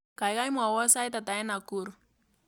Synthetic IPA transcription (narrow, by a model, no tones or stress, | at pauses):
kajɣajmʊawasajt̪at̪aenakʊɾ